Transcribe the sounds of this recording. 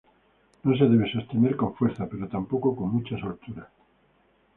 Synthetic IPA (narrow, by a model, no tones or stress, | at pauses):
nos̬eðe̞β̞esast̪imeɾkõ̞ɱfwe̞ɾθape̞ɾot̪ampoko̞ko̞ŋmut͡ʃaso̞lt̪uɾa